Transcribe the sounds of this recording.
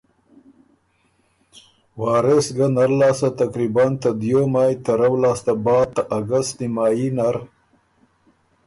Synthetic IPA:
wɑːɾesɡanaɾlɑːsat̪akɾibant̪ad̪jomaːjt̪aɾawlaːst̪abɑːt̪aʔaɡəst̪nimaːjinaɾ

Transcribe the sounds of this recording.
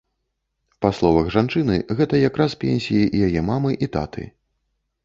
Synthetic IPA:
paslˠɔvɐɣʐant͡ʂɨnɨ̰ɣɛt̪ɐjakɾaspʲɛnʲsʲijiʔijajɛmamɨʔit̪a̰t̪ʰɨ̰

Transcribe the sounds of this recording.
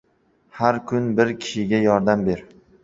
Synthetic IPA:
haɾkʲʰʊnbɪɾkʲʰɪ̥ʃɪɡʲajɒɾd̪ambeɾ

